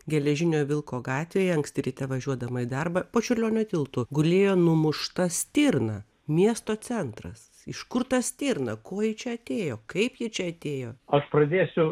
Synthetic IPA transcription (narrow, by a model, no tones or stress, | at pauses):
ɡʲɛlʲɛʒʲɪnʲoːʋʲɪlˠkoːɡɑːt̪ʲʋʲeːjɛɐŋksʲt̪ʲɪɾʲit̪ʲɛʋɐʒʲuɔd̪ɐmɐid̪ɐrbɐpoːt͡ʃʲʊrʲlʲoːnʲʊt̪ʲɪlˠt̪ʊɡʊlʲeːjoːnʊmʊʃt̪ɐsʲt̪ʲiːrnɐ | mʲiɛst̪oːt͡s̪ʲɛnt̪ɾɐ̰s | ɪʃkʊrt̪ɐsʲt̪ʲiːɾnɐkoːjɪt͡ʃʲɛɐt̪ʲeːjoːkɐɪpjɪt͡ʃʲɛɐt̪ʲeːjoːɐʃpɾɐd̪ʲeːsʲʊ